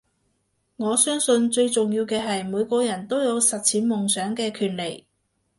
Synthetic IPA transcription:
ŋɔː˨˧sœː˥ŋsɵ˧nt͡ʃɵ˧ɥt͡sʊ˨˩ŋjiː˧wkɛː˧ɦɐ˨jmuː˨˧jkʷɔː˧jɐ˨˩nt̪o˥wjɐ˨˧wsɐ˨t̚t͡sʰiː˨˥nmʊ˨ŋsœː˨˥ŋkɛː˧kʰyː˨˩nle˨˩j

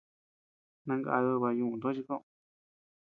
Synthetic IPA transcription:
nã˧ŋɡa̰˧ðo˧βa˧jũ˧˨ũ˧nd̪o˦t͡ʃi˧kõ˦

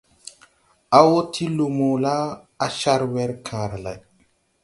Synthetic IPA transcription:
a˦wo˦tʰi˦lu˨mo˨la˦ | a˦ʃa˦ɾwɛ˦ɾkʰãː˨ɾa˨la̰˨j

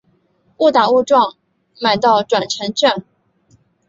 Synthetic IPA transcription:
u˥˩t̪a˨˩u˥˧ʈ͡ʂwɑ˥˩ŋ | ma˨˩ɪt̪ɑ˥˩ʊʈ͡ʂwa˨˩nʈ͡ʂʰə˧˥ŋʈ͡ʂa˥˩n

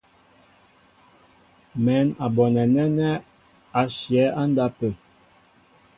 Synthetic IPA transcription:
mɛ˨˦na˨bɔ˨nɛ˨nɛ˦nɛ˦ | a˨ʃjɛ˨˦a˦n˦da˦pə˨

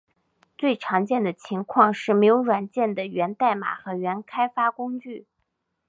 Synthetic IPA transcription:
t͡swe˥˩ɪʈ͡ʂʰɑ˧˥ŋt͡ɕjɛ˥˩nd̪ə˩t͡ɕʰi˧˥ŋkʰwɑ˥˧ŋʂɻ̩˥˩me˧˥ɪjo˧˥ʊɻwa˨˩nt͡ɕjɛ˥˩nd̪ə˩ɥɛ˧˥nt̪a˥˩ɪma̰˨˩xɤ˧˥ɥɛ˧˥nkʰa˥ɪfa˥kʊ˥ŋt͡ɕy˥˩

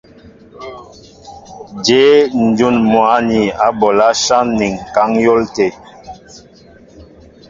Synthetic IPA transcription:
d͡ʒe˨˦n̩˨d͡ʒu˦˨nmwa˨˦ni˨a˨˦bɔ˨la˦ʃa˦nni˨ŋ˨ka˨˦ŋjo˦lte˨

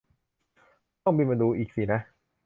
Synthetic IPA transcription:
t̪ɔ˥˩ŋmiː˧ma˧nduː˧ʔiː˨˩k̚siː˨˩na˦˥ʔ

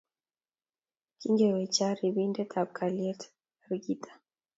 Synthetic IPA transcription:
ki˦ŋɡɛ˨wɛ˨t͡ʃa˦ɾi˨bi˦ndɛ˦t̪ʰa˨b̚ka˨liɛ˦t | ɾɡi˦tʰḁ˨

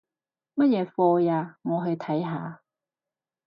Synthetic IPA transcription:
mɐ˥t̚jɛː˨˧˥fɔː˧jaː˧mɔː˨˧ɦɵ˧ɥt̪ʰɐ˨˥jɦaː˨˧

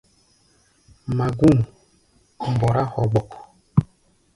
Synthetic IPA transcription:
ma˨ɡu˦˨n˨ | m˨bɔ˨ɾa˦hɔ˨ɡ͡bɔ˨kɔ˨

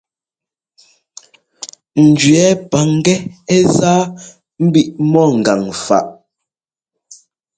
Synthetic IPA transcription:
n̩˨d͡ʒɥɛ˨˦pa˨ŋ˦ɡɛ˦ɛ˦zaː˦ | m̩˦bi˦ʔmɔ˦˨ŋ̩˨ɡa˨ŋfa̰˨ʔ

